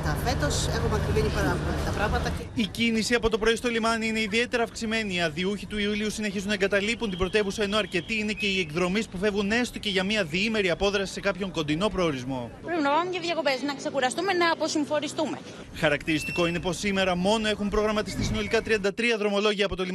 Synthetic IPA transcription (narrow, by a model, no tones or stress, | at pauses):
t̪ɐfe̞t̪o̞sexomɐkɾimenipɐɾɐvmɐit̪ɐpɾɐɣmɐt̪ɐicinisiɐpo̞t̪opɾo̞ist̪o̞limɐniine̞iðie̞t̪eɾɐːfksime̞niːɐðiuçit̪uiuliusine̞çizunːɐeŋɡɐt̪ɐlipunt̪ibɾo̞t̪e̞vusɐeno̞ɐɾce̞t̪iine̞ce̞iekðɾo̞mispufe̞vɣune̞st̪o̞ce̞ʝɐmiɐðiime̞ɾiɐpo̞ðɾɐsi̥se̞kɐpço̞ŋko̞nd̪ino̞pɾo̞ːɾizmo̞ | pɾipinɐvɐmucɐðʝɐko̞be̞znɐkse̞kuɾɐst̪umenɐːpo̞siɱfo̞nist̪ume | xɐɾɐkt̪iɾist̪iko̞ine̞po̞sime̞ɾɐmo̞no̞e̞xumpɾo̞ɣɾɐmɐt̪ist̪isino̞likɐt̪ɾiɐnd̪ɐt̪ɾiɐðɾo̞mo̞lo̞ʝiɐːpo̞t̪olim